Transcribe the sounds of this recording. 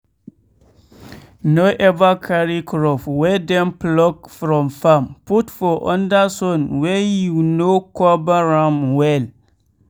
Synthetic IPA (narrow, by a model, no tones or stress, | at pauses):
noʔɛvakʰaɾikʰɾɔfwɛdɛ̃mplɔɡfɾɔ̃mfãmputfɔʔɔ̃ndasɔ̃nwɛjunokʰɔbaɹãmwɛl